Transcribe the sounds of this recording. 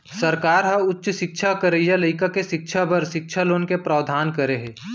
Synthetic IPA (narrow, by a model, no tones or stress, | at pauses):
sɐɾkaːɾɦɐ̃ʊtːʃʃɪkʃʰakəɾejaləɪkakeʃɪkʃʰabɐɾʃɪkʃʰaloːnkepɾaːʋd̪ʱaːnkɐɾeɦeː